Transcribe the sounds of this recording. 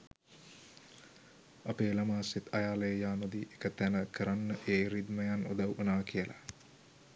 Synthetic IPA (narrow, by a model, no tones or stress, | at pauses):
apeːlamaːsit̪ʰajaːləjəjaːnod̪iʔekət̪ænəkəɾanːəʔeːɾid̪məjanud̪awonaːkijəla̰